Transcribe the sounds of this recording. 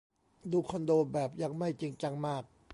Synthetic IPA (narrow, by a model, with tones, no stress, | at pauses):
duː˧kʰɔ˧ndoː˧bɛː˨˩p̚jaː˧ŋma˥˩jt͡ɕi˧ŋt͡ɕa˧ŋmaː˥˩k̚